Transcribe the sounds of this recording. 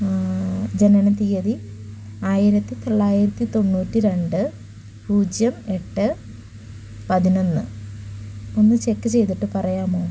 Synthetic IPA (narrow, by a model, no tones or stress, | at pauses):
d͡ʑenɐnɐt̪ijɐði | aːjiɾɐt̪ːit̪oɭːaːjiɾɐt̪ːit̪o̞nːuːtːiɾe̞ɳɖɨ | puːd͡ʑjɐme̞ʈːɨ | pɐðino̞nːɨ | o̞nːɨt͡ɕe̞kːɨt͡ɕe̞jt̪iʈːɨpɐrɐjaːmoː